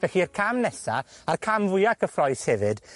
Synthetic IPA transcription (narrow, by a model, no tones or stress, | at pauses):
vɛxiərkʰamnɛsa̰arkʰamvʊjakəfrɔjshɛvɨd̥